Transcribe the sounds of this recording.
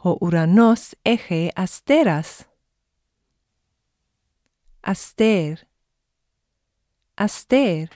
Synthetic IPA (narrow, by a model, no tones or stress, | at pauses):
hoʔuɾanɔsɛxeʔast̪eɾas | ʔast̪eɾ | ʔast̪eɾ